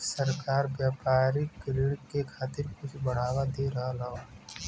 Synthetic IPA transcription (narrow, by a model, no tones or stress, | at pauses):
səɾkaːɾbjaːpaːɾiklɪɽkekʰaːt̪ɪɾkʊt͡ʃʰbɐɽ̤aːwad̪eɾɐɦalao